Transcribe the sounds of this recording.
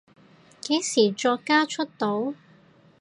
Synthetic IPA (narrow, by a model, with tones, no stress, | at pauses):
ke˨˥jsiː˨˩t͡ʃɔː˧kːaː˥t͡ʃʰɵ˥t̚t̪o˨˥w